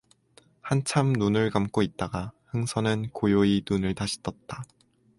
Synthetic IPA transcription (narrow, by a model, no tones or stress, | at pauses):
hant͡ɕʰamnunɯɭkamk͈oit̚t͈aɡahɯŋsʰʌnɯnkojoinunɯɭtaɕʰi̥t͈ʌt̚t͈a